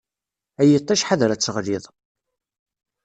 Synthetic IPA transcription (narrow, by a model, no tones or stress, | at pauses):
æjət̪ˤːɑʃħaðɾat͡sːəʁliðˤ